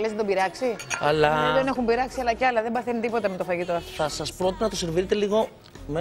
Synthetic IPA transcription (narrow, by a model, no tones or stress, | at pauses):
lezed̪obiɾɐksiɐlɐeðene̞xumbiɾɐksiɐlɐceɐlɐðe̞mbɐθenit̪ipo̞t̪ɐmet̪ofɐʝit̪oɐoɐsɐspɾot̪inɐt̪o̞seɾviɾet̪e̞liɣo̞ | me